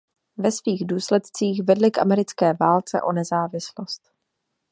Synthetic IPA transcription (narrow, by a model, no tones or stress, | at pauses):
vɛsviːɣduːslɛt̪t͡siːxvɛdlɪkʔa̰mɛɾɪt͡skɛːvaːlt͡sɛ̰ʔo̞nɛzaːvɪslost̪